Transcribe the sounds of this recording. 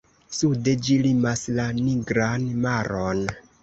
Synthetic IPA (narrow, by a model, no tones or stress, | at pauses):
suded͡ʒilimaslaniɡɾanmaɾon